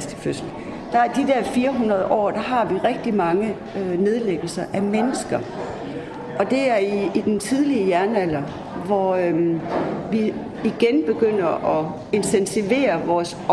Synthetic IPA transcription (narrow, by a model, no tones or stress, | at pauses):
sd̥ə̥føsl̥̩ | d̥ɑ̈æɐd̥id̥æɐ̰fiːɐɦunʁɐð̞ˠəʔɒ̰ːd̥ɑ̈ɦɑ̈ʋiʁɛɡ̥̚d̥imɑ̈ŋə | ne̝ð̞ˠleɡ̥l̩sɐʔæmenəsɡ̥ɐ | ʔɒ̽d̥e̝æɐiːd̥ent͡sʰið̞ˠliəjæɐnæl̰ɐ | ʋɒ | ʋi | iɡ̥enb̥e̝ɡ̥øn̰ɐʔɒ̽ | e̝nt͡sʰensʰiʋe̝̰ːɐʋɒːs